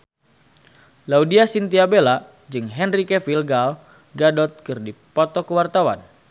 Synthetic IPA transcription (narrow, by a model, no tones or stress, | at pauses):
laudiasint̪iabela | d͡ʒɨŋɦɛnrikefilɡal | ɡadɔt̪̚kɨrdipɔt̪ɔkəwart̪awa̰n